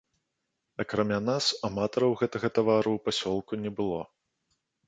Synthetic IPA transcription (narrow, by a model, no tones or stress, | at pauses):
ɐkɾamʲanasamat̪ɐɾɐwɣɛt̪ɐɣɐt̪avaɾuwpasʲɔlˠkunʲɛbɨlˠɔ